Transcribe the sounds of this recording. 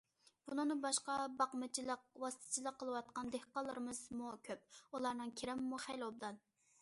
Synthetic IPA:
b̥unɨŋnɨbɑʃqɑbɑqmɨt͡ʃʰilˠəqwɑst̪ʰɨ̥t͡ʃʰilˠəqʰːəlˠɨwɑt̪̚qɑnd̪ehqɑlˠːəɾɨmɨzmukʲʰøp̚ulˠɑɾnɨŋkʲʰeɾɛmmuχæjlˠob̚d̪ɑn

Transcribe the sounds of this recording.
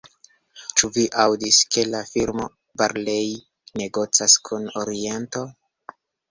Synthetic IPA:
t͡ʃuviʔawdiske̞lafiɾmo̞ | baɾlej | ne̞ɡo̞t͡saskʰunoɾie̞nto̞

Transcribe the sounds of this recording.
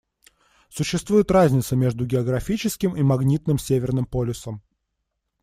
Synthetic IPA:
sʊɕːɪst̪vujɪt̪razʲnʲɪt̪səmʲe̞ʐd̪ʊɡʲɪɐɡɾɐfʲit͡ɕɪskʲɪmimɐɡnʲit̪nɨmsʲevʲɪrnɨmpolʲɪsəm

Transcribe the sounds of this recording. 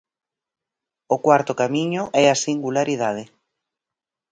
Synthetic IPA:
ʊkwaɾt̪ʊkamĩɲʊʔɛasiŋɡulaɾiðað̞ɪ

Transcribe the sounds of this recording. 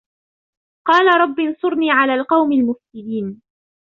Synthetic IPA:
qɑːlaɾˤɑbːinsˤʊɾniːʕalaːlqɑwmɪlmʊfsɪliːn

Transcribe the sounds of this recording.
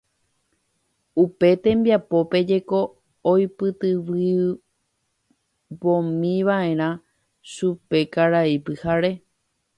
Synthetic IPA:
upe̞t̪ẽ̞mbjapo̞pe̞d͡ʒe̞ko̞ː | jpɨt̪ɨʋɨ | bõmĩʋaʔẽ̞ɾ̃ã | ʃupe̞kaɾaipɨhaɾe̞

